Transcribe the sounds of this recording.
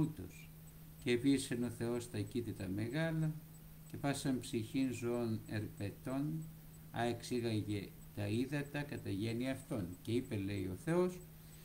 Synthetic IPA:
ut̪o̞s | ceːpiseno̞θe̞o̞st̪ɐcit̪it̪ɐme̞ɣɐlɐ | ce̞pɐsɐmpsiçinzoone̞̰ɾpe̞t̪o̞n | ɐ̰eksiɣɐʝe | t̪ɐiðɐt̪ɐkɐt̪ɐʝe̞niɐft̪o̞nce̞ipe̞le̞io̞θe̞o̞s

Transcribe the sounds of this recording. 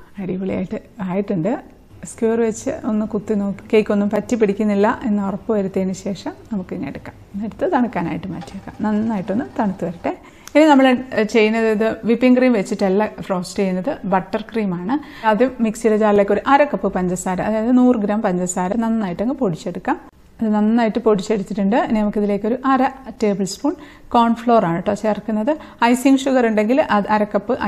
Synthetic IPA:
ɐɽiʋɐɭḭja̰ːjiʈːɨaːjiʈːuɳɖɨ | skjuʋɐrʋet͡ɕːɨ̰ʔo̞nːɨkut̪ːino̞ːkːi̥kːejkʲːo̞nːumpɐtːipiɽikʲːunːilːɐʔenːɨorɐpːɐʋɐɾut̪ːeːnɨɕe̞ːʂɐmnɐmukːɨinːḛɽukːḁmneɽut̪ːɨt̪ɐɳukːaːna̰ːjiʈːɨma̰ːtːiɐkːɐ̰mnɐnːɨnːaːjiʈːonːɨt̪ɐɳut̪ːuʋɐɾiʈːe | ininɐmːɐɭet͡ɕe̞jːunːɐðiðɨʋipːiŋɡriːmʋet͡ɕːiʈːɐlːɐfro̞ːsʈt͡ɕejunːɐðɨbɐʈːɐrkriːmaːɳɨ | ɐðumiksiɾɐt͡ɕaːɾrile̞ːkʲːo̞ɾuʔɐɾɐkːɐpːɨpɐɲd͡ʑɐsaːɾɐmɐðaːjɐðɨnuːrɨɡɾaːmpɐɲd͡ʑɐsaːɾɐnɐnːɨnːaːjiʈːɐŋːɨpo̞ɽit͡ɕːeɽukːaːm | ɐðɨnɐnːɨnːaːjiʈːɨpo̞ɽit͡ɕːe̞ɽit͡ɕːiʈːuɳɖɨneːmɐkːiðile̞ːkʲːo̞ɾuʔɐɾɐte̞ːbɐlspuːɳɖ | koːɳfɭo̞ːraːɳɨʈːɨpɐkʂeɐrɐkːunːɐðɨ | ɐjsiŋɡʂuɣɐruɳɖe̞ŋɡilʔɐðɨɐɾɐkːɐpːɨʔ

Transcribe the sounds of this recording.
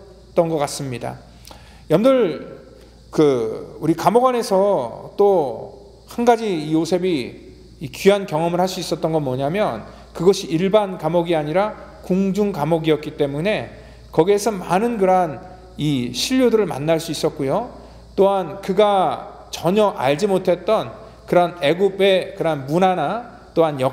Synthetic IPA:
t͈ʌnɡʌk͈as͈ɯmɲida̰ | jʌmdɯɭ | kɯuɾikamoɡwane̞sʰʌt͈o | hanɡad͡ʑiːjosʰe̞biː | kyɦankjʌŋʌmɯɭhaɭs͈uis͈ʌt̚t͈ʌnɡʌnmwʌɲamjʌn | kɯɡʌɕʰiiɭbankamoɡiaɲiɾakuŋd͡ʑuŋkamoɡiʌt̚k͈it͈e̞mune̞ | kʌɡiesʰʌmanɯnkɯɾan | iɕʰiʎːjodɯɾɯɭma̰nːaɭs͈uis͈ʌt̚k͈ujo | t͈oɦankɯɡa | t͡ɕʌɲʌʔa̰ɭd͡ʑimotʰe̞t̚t͈ʌn | kɯɾane̞ɡube̞kɯɾanmunana | t͈oɦanjʌ

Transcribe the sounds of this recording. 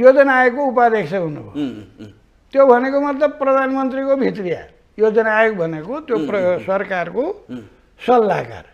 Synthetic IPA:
jod͡zʌnaekːoupad̪eksʌɦunubʱo̰ | t̪jobʱʌnekomʌt̪lʌb̚prʌd̪ʱanmʌnt̪rikobʱit̪rija̰ | jod͡zʌnajekbʱʌnekot̪jopʌsʌrkarko | sʌlːa̰ka̰r

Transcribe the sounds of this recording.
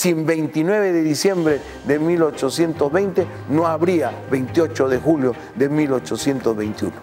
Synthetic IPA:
siembejnt̪inweβeðeðisjembɾe | ðemilot͡ʃosjent̪ozβejnt̪e | noaβɾiaβejnt̪jot͡ʃoðexuljo | ðemilot͡ʃosje̞nt̪ozβejnt̪jṵno

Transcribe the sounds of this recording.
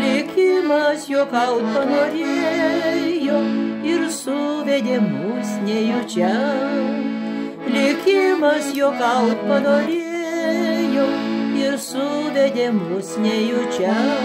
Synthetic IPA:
lʲɪkʲɪmɐsjoːkɐʊt̪̚pɐnoːɾʲee | joɪɾsʊʋʲɛd̪ʲeːmʊsnʲɛjʊt͡ʃʲɛ | lʲɪkʲɪmɐsjoːkɐʊt̪̚pɐnoːɾʲeːjoɪɾsʊʋʲɛd̪ʲeːmʊsnʲɛjʊt͡ʃʲɛ

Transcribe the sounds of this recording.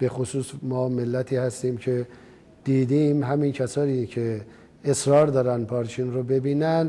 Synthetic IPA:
b̥e̞xosuːsmɒːmelːæt̪ʰiːhæst̪iːmcʰe | d̪̥iːd̪iːmɦæmincʰæsɒːniːcʰe | esɾɒːɾd̪ɒːɾæn̚pʰɒːɾt͡ʃʰiːnɾobe̞biːnænd̪

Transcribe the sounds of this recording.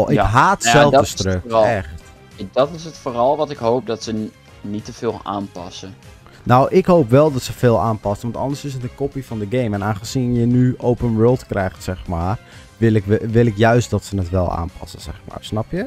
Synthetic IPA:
ʔɪkɦaːtsɛlˠvdəstrøkɛxt | dɔtɪsətfoːrɔlˠʋɔtɪkhowp̚dɔtsə | nitəfɪːlˠa̰ːnpɑ̰sə | nowʔɪkhoːpʋɛlˠdɔtsəfɪːlˠaːnpɑsənʋɑntɔ̰ndəsɪs̬ətənkopifɔndəɡejmɛnaːnxəsinjənyʔowpənʋəːlˠtkrɛjxtsɛxmaːr | ʋɪlɪkʋɪlˠɪkjœɥstdɔtsənətʋɛlˠa̰ːnpʰɑ̰səsɛ̰xma̰ːrsnɑpjə

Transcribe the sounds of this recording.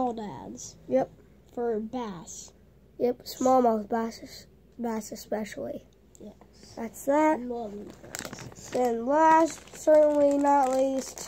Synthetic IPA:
ɔlˠdæ̰dz̥jɛp̚ | fə˞bæs | jɛp̚smɔlˠmoθbæsɨz̥ | bæsɨspɛʃl̩ˠi | jɛ | ðætsðæt̚ | ɨ̃nlæstsɜ˞ʔn̩linəɾətˡlist

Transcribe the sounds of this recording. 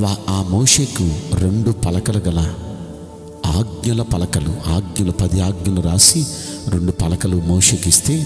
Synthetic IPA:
ʋaaːmoːʂe̞ːkuɾe̞ɳɖupɐlɐkɐlɐɡɐlɐ | aːɡ̚ɲɐlɐpɐlɐkɐluaːɡ̚ɲɐlɐpɐd̪iaːɡ̚ɲɐluɾaːsiɾe̞ɳɖupɐlɐkɐlumoːʂeːkist̪e̞ː

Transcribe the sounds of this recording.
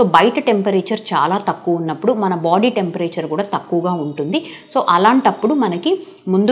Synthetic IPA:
so̞ːbɐjʈʈe̞mpɐɾeːt͡ʃɐɾt͡ʃa̰ːlaːt̪ɐkːuʋunːɐpːuɽumɐnɐbaːɖiːʈe̞mpɐɾeːt͡ʃɐɾkuːɽaːt̪ɐkːuʋɐɡaːuɳʈund̪i | so̞ːʔɐlaːɳʈɐpːuɽumɐnɐki | mund̪

